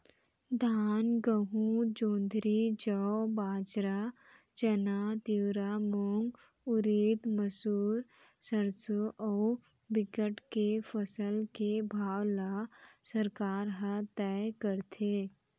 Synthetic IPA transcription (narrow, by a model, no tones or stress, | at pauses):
d̪ʱaːnɡəɦũd͡ʒõːnd̪ʱɾid͡ʒəbaːd͡ʒɾa | t͡ʃɐnat̪iwɾamoŋɡ | ʊɾiːd̪məsuːɾ | səɾsoʔɔː | bɪkəʈkefəsəlkebʱaːwlasəɾkaːɾɦat̪ɛːkəɾt̪ʰeː